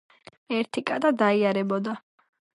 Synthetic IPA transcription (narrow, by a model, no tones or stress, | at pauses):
ɛɾt̪ʰikʼad̪ad̪aiaɾɛbɔd̪a